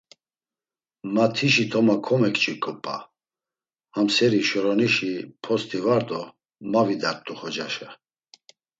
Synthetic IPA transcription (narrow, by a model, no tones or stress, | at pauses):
mat̪ʰiʃit̪ʰɔmakʰɔmɛkʼt͡ʃʼikʼɔpʼa̰ | hamsɛɾiʃɔɾɔniʃipʰɔst̪ʰʼivaɾd̪ɔ | mavid̪aɾt̪ʼuχɔd͡ʒaʃɛ